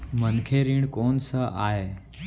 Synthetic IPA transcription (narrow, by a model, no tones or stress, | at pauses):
mənkʰeɾiːɳkoːnsəaːɦe